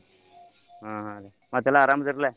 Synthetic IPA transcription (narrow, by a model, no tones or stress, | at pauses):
ɦãɦãle | maɡt̪alaːɾamd͡zəɾlɛ